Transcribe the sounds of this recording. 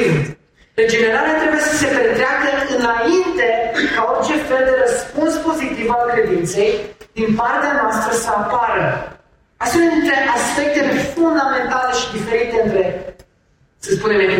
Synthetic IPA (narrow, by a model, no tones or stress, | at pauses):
int̪ | ɾed͡ʒe̞ne̞ɾaleat̪ɾe̞buje̞səse̞pɾet̪ɾeakəɨnaint̪e̞kaort͡ʃe̞fe̞ld̪e̞ɾəspunspo̞zit̪ivalkɾe̞d̪int̪se̞jd̪inpart̪eanoast̪ɾəsəapaɾə | ast̪emeit̪ɾe̞ʔaspe̞k̚t̪efund̪amẽ̞nt̪ale̞ʃid̪ife̞ɾit̪eɨnt̪ɾe̞ | səspunemeni